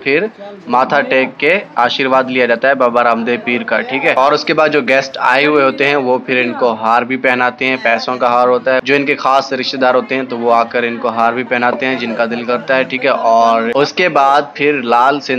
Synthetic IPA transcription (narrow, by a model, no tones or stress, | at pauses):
pʰɪɾmaːt̪ʰaʈeːkːeaːʃiːɾʋaːd̪lijad͡ʒaːt̪aɦɛbaːbaɾãːmd̪epiːɾka̰ʈʰiːkɦɛːɔːɾʊskebaːd̪d͡ʒoːɡɛːsʈa̰ːeɦʊeɦoːt̪eɦɛ̃ʋopʰɪɾɪnkoɦaːɾbʱipɛːnaːt̪eɦɛ̃pɛːsõkaɦaːɾɦoːt̪aɦɛd͡ʒoːɪnkexaːsɾɪʃt̪ed̪aːɾɦoːt̪eɦɛ̃t̪oʋoaːkəɾɪnkoɦaːɾbʱipɛːnaːt̪eɦɛ̃d͡ʒɪnkad̪ɪlkɐɾt̪aɦɛʈʰiːkɦɛʔɔːɾʊskebaːd̪̚pʰɪɾlaːlsɪ̃